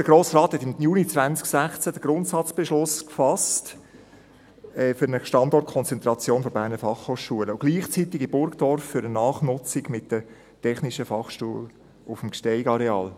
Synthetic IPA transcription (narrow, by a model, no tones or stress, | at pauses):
d̥əɡɾoːsrɑːt̪hɛtɪmjuːnit͡sʋænt͡sksæχt͡sæd̥əɡ̥ɾʊntsɑt͡sb̥eʃlʊskfɑst | ɛːfʏɾnəʃtɑndɔrt̚kʰɔnt͡sɛnt̪ɾɑt͡sjoːnfɔbæːɾnəfɑχhoːχʃuələʊɡ̥liːχt͡sitɪɡibʊɾkd̥ɔrfːʏɾənɑːχnʊt͡sɪɡmɪtd̥ə | tʰɛχniʃəfɑχʃtuəl | ʊfəmkʃtɛɪɡɑɾɛɑːl